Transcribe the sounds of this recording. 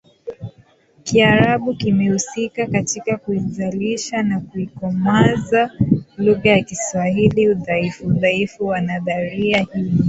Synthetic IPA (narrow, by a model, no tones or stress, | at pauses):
kiaɾaɓukimɛhusikakatikakuizaliʃanakuikɔmazaluɣajakiswahiliuðaifuuðaifuwanaðaɾiahii